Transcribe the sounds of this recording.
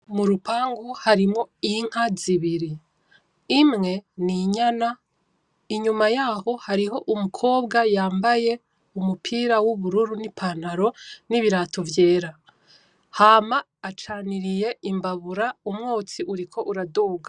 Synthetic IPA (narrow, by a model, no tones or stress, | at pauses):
muɾupaːŋɡuhaɾimŋo̞iŋ̥haziβiɾiː | mŋe̞niɲana | iɲumajaːho̞haɾiɦo̞ʔumukʰo̞ːbɡajaːmbaje̞ | umupʰiːɾawuβuɾuɾunipʰan̥aɾo̞niβiɾaːtʰovje̞ːɾa | haːmaːt͡ʃaːniɾije̞imbaβuɾaumŋoːt͡siʔuɾikʰo̞ʔuɾadoːɡa